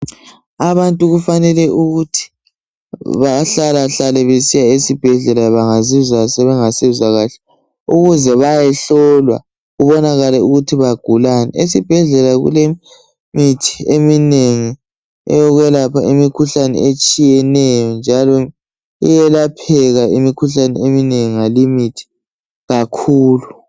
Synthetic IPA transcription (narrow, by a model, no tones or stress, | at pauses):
aβantʼuɣufanɛlɛʔuɣutʰi̥ | βaɬalaɬalɛβesijaesib̥ʱɛɮɛlajβaŋazizasɛβɛŋasiβuzaɣaɬɛ̥ | uɣuzɛβajɛɬɔlwa̰ | ɣuβɔnaɣalɛuɣutʰiβaɡ̥ʱulanɛ̰esib̥ʱɛɮɛlaɣṵle | mitʰi̥emineŋi | ɛ̰jɔɣwɛlapʰaimikʰuɬanɛ̰et͡ʃʼijɛnɛjɔnd͡ʒʱalɔ | ijɛlapʰɛɣaimikʰuɬanɛemineŋiŋalimitʰi̥ | ɣakʰuːlu